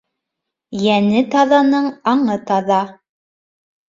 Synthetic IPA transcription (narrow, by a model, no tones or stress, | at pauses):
jænɘt̪ɑðɑnɤɴɑɴɤt̪ɑðɑ